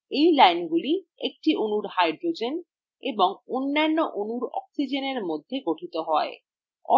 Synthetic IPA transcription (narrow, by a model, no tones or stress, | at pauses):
ejlajnɡuliek̚ʈiʔonuɾhajɖɾod͡ʑen | eboŋonːanːoʔonuɾɔ̰ksid͡ʑeneɾmod̪ʱːeɡoʈʰit̪oɦɔe | ɔ̰